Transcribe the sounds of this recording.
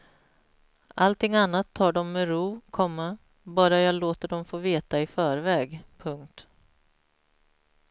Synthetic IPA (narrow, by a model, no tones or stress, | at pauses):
ʔalt̪ʰɪŋːanːat̪ʰːɑːɖɔmːɛɾuːkʰɔmːa | bɑːɾajɑːɡloːt̪əɖɔmfoːveːt̪aɪfœːɾvɛːɡpʰɵŋk̚t̪